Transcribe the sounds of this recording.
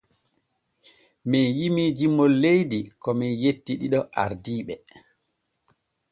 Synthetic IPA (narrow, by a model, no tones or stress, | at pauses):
mɛjimid͡ʒimːɔlːejdikɔmɛjetːiɗiɗɔʔaɾdiːɓɛ